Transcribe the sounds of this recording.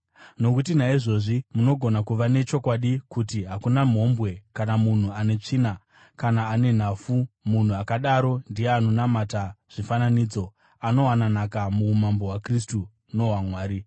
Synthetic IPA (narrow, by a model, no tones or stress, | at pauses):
no̞kutinaiʐo̞ʐimuno̞ɡʱo̞nakuʋane̞t͡ʃo̞kwaɗikutiɦakunam̤ɦo̞mbwe̞kanamun̤uane̞t͡ʂiːna | kanaːne̞n̤afumun̤uakaɗaɾo̞ndije̞ano̞namataʐ̥ifananid͡zo̞ | ano̞wananakamuːmambo̞wakristu | no̞wamwaːɾi